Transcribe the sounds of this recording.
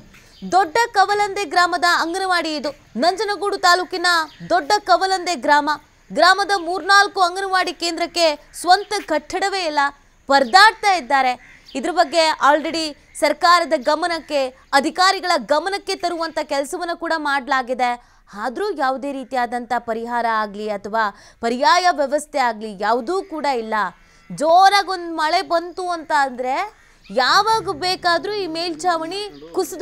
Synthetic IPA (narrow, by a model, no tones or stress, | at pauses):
d̪ɔɖːɐkɐʋɐlɐnd̪eɡɾaːmɐd̪ɐːŋɡɐnɐʋaːɽiid̪u | nɐɲd͡ʒɐnɐɡuːɽut̪aːluːkinɐd̪ɔɖːɐkɐʋɐlɐnd̪eɡɾaːmɐ | ɡɾaːmɐd̪ɐmuːɾnaːlkuɐŋɡɐnɐʋaːɽikeːnd̪ɾɐkːe̞ | sʋɐnt̪ɐɡɐʈʰːɐɽɐʋe̞ːilːɐ | bɐɾd̪aːɽt̪aːjid̪ːaːɾe̞ | id̪ɐɾɐbɐɡːe̞aːlɾeɽi | sɐɾkaːɾɐd̪ɐɡɐmɐnɐkːe̞ | ɐd̪ʱikaːɾiɡɐɭɐɡɐmɐnɐkːe̞t̪ɐɾuʋɐnt̪ʰɐkɛlsɐʋɐnːɐkuːɽɐmaːɽɐlaːɡid̪e̞ | aːd̪ɾuːjaːʋd̪e̞ːɾiːt̪ijaːd̪ɐnt̪ɐpɐɾiɦaːɾɐaːɡliɐt̪ʰɐʋaːpɐɾijaːjɐʋjɛʋɐst̪ʰeaːɡlijaːʋd̪uːkuːɽɐilːɐ | d͡ʒoːnɐɡo̞nd̪mɐɭe̞bɐnt̪uɐnt̪ɐːnd̪ɐɾe̞ | jaːʋaːɡubeːkaːd̪ɾuːiːmeːlt͡ʃaːʋɐɳikusd̪